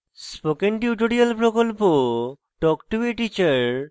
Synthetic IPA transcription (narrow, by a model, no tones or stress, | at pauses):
spokenʈjuʈoɽialpɾokolpo | ʈɔkʈobiʈit͡ɕaɾ